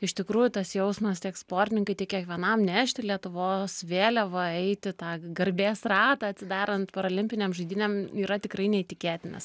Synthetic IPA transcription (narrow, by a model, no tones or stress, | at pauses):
ɪʃt̪ʲɪkɾuːjʊt̪ɐsjɛʊsmɐst̪ʲiɛkspoːrʲt̪ʲɪnʲɪŋkɐɪt̪ʲiɛkʲiɛkʋʲiɛnɐmnʲæːʃʲt̪ʲɪlʲiɛt̪ʊʋoːsʋʲeːlʲɛʋɐɛɪt̪ʲɪt̪ɑːɡɐɾʲbʲeːsrɑːt̪ɐɐtʲsʲɪd̪ɑːɾʲɐnt̪pɐɾɐlʲɪmʲpʲɪnʲeːmʒɐɪd̪ʲɪnʲɛmiːɾɐt̪ʲɪkɾɐɪnʲɛɪt̪ʲɪkʲeːt̪ʲɪnɐ̰s